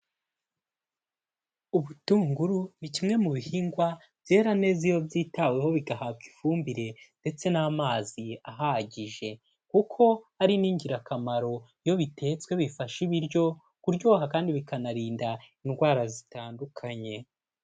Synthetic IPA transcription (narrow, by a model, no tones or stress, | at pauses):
uβutuːŋɡuɾunicimŋe̞muβihiːŋɡwa | vje̞ːɾane̞ːzijo̞bjiːtawe̞ho̞βiɡahab̚ɡifuːmbiɾe̞nde̞t͡se̞naːmaːziaɦaɟiʒe̞ | kukʰo̞aɾiniːɲɟiɾakamaɾo̞ijo̞βitʰe̞ːt͡swe̞βifaʃiβiɾjo̞ | kuɾɟo̞ːɦakaːndiβikanaɾiːndainɡwaːɾazitaːndukʰaɲe̞